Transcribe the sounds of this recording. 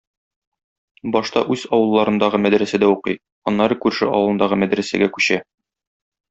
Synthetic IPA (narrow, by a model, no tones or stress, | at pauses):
bɒʃt̪ɑʔʉzɒwɤ̆lˠːɑɾɤ̆nd̪ɑʁɤmæd̪ɾæsæd̪æuqɤj | ɒnːɑɾɤkʉɾʃɘ̰ʔɒ̰wɤlˠɤ̆nd̪ɑʁɤmæd̪ɾæsæ̰ɡækʉɕæ